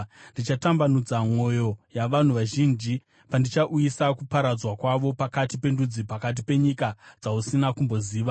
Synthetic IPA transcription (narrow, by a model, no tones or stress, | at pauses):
ndit͡ʃatambanud͡zamo̞jo̞jaʋan̤uʋaʒiːnd͡ʒi | pandit͡ʃaʔujisakupaɾad͡zwakwaʋo̞pakatipe̞ndud͡zipakat̬ipe̞ɲikad͡zausinakumbo̞ziːʋa